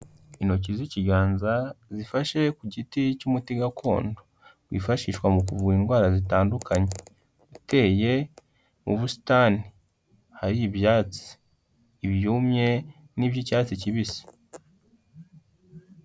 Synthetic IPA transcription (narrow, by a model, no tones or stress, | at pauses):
ino̞ciziciɡaːnzazifaʃe̞kuɟiticumutiɡakʰo̞̰ːndo | wḭːfaʃiːʃwamukuvuinɡwaːɾazitaːndukʰaɲe | ute̞ːje̞ | muβusi̥tani | haɾibjaːt͡si̥ː | βjuːmɲe̞ | nibjicaːt͡siciβisi̥